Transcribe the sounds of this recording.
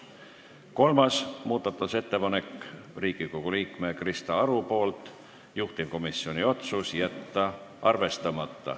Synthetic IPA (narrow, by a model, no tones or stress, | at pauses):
ko̞lmɑsmuːd̪̥ɑt̪ːˑuse̞t̪ːe̞pɑne̞kːˑriːɡ̥iko̞ɡ̥uliːkme̞krist̪ɑɑɾupo̞ːlt̪ˑ | juht̪ivko̞misːio̞nio̞t̪susjæt̪ːɑʔɑrve̞st̪ɑmɑt̪ːɑ̰